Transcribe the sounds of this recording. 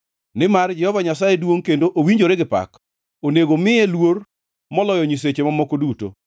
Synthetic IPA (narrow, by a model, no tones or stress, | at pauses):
nɪmard͡ʒɛhɔvaɲasajedwoŋkendoʔowiɲd͡ʒoɾeɡɪpa̰k | oneɡomɪjelwor | mɔlɔjɔɲis̬et͡ʃemamɔkoduto̰